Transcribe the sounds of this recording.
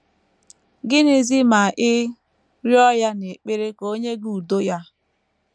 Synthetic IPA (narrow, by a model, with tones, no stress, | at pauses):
ɡɪ˦nɪ˨zi˦ma˨ʔɪ˦ | ɾjɔ˦ja˦ne˨k͡pe˦ɾe˦ko˦ɲe˦ɡu˨do˦ja˦